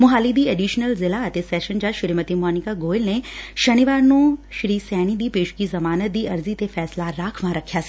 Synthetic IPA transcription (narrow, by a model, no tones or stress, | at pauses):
mʊɦaːlid̪ieɖiːʃnəlzɪlaɐt̪esɛːʃənd͡ʒaʃʊɾimət̪imɔːnɪkaɡoːɪlneʃɐniʋaːɾnũʃɾiːsɛːñid̪iːpeːʃu̥kizɐmaːnət̪̚d̪iʔɐɾzit̪efɛːslaɾaːkʰʋãɾɐkʰːjas